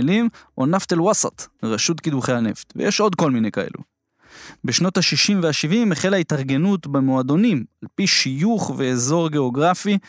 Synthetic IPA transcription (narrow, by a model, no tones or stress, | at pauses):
limʔonaft̪elwasa̰t̪ʁaʃutkid̪uχejane̞̰ft̪vḛjeʃʔo̞d̪ko̞lmine̞jkae̞̰lṵ | beʃnothaʃiʃimveaʃivimeχelaitaʁɡe̞nutbemoado̞nimalpiʃijuχve̞ːzo̞ʁɡe̞oɡʁafi